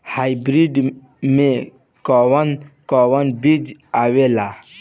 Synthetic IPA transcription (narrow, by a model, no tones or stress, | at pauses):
hajbɾiɖ | me | kɔwənkɔwənbid͡ʒawela